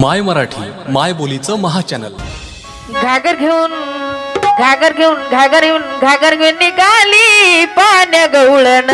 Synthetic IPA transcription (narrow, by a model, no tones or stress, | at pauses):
majməɾaʈʰiːmajbolit͡səməɦat͡ɕænə̰l | ɡʱaɡəɾɡʱeuːn | ɡʱaɡəɾɡʱeuːnɡʱaɡəɾɡʱeuːnɡʱaɡəɾɡʱenːikalipanjaɡəwɭən